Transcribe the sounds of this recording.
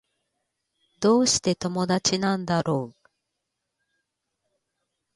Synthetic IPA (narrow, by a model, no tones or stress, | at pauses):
d̪̥o̞ːɕi̥t̪e̞t̪o̞mo̞d̪at͡ɕinãnd̪aɾo̞ː